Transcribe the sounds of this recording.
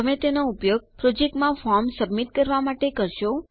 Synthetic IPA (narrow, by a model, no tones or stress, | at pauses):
əmet̪enoupjoɡ̚pɾod͡ʒek̚ʈmãfɔɾmsəbmiʈkəɾʋamaʈekəɾʃo